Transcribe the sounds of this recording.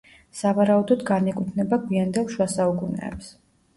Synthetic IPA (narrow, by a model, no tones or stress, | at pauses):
savaɾaud̪ɔd̪ɡanɛkʼwit̪ʰnɛbaɡviand̪ɛlˠʃwasaukʼunɛ̰ːps